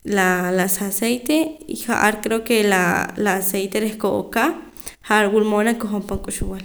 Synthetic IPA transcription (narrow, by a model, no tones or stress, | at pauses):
lalasasejt̪eḭha̰ʔaɾkɾeokelalaːsejt̪eɾehkoʔo̰ka | haʔaɾwulmonakoɦompoŋkʼuʃuwal